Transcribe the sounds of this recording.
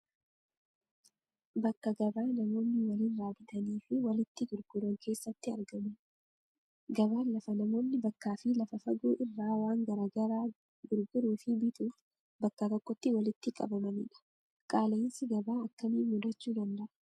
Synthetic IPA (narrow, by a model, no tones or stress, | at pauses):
bɐkːɐɡɐbaːnɐmo̞ːnːɪwɐliːnraːbɪt̪ɐniːfɪwɐlɪt̪ːɪɡʊɾɡʊɾɐŋkʰe̞ːsːɐt̪ːɪɐ̰ɾɡɐmɐn | ɡɐβaːnlɐfɐnɐmo̞ːnːɪbɐkːaːfɪlɐfɐfɐɡuːʔɪrːaːwaːŋɡɐɾaːɡɐɾaː | ɡʊɾɡʊɾuːfɪbɪt̪uːf | bɐkːɐt̪ɔkʼːɔt̪ːɪwɐlɪt̪ːɪkʼɐ̰bɐmɐniːᶑɐ̥ | kʼaːleːnsɪɡɐbaːɐkːɐmiːnmʊd̪ɐt͡ʃːuːd̪ɐnd̪ɐʔɐ̥